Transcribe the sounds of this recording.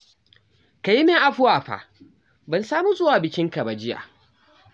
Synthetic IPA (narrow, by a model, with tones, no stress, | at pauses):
ka˨ji˦meː˦ʔa˨ɸʊ˦waː˨ɸa̰ː˨ | bɐ˨nsaː˦mu˦zʼʊ˦waː˨bɪ˨kʲɪ˦ŋka˨ba˨d͡ʒɪ˦ja̰ː˨